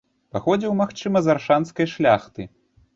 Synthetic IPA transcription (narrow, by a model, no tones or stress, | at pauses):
paxɔd͡zʲiwmaxt͡ʂɨmɐzarʂanskɐjʂlʲaxt̪ɨ